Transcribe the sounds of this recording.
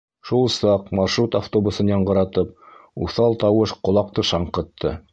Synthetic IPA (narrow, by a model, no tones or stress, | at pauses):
ʃulˠsɑqmɑrʃrut̪aft̪obusɤnjɑɴɢɤ̆ɾɑt̪ɤp̚uθɑlˠt̪ɑwɤʃqŏlˠɑq̚t̪ɤʃɑɴqɤ̆t̪ʰːɤ